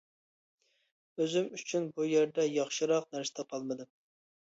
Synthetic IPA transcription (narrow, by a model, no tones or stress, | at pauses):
øzymyt͡ʃʰynbujeɾd̪ɛjɑχʃɨɾɑqnæɾsɪ̥t̪ʰɑqʰɑlˠmɨd̪ɨm